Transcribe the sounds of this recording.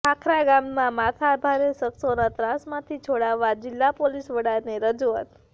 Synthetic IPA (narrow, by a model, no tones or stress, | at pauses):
akʰɾaɡamːãmat̪ʰaːbʱaɾesəksonat̪ɾãsmãt̪ʰit͡ʃʰoɽaʋːad͡ʒɪlːapolisʋəɽaɾniɾəd͡ʒua̰t̪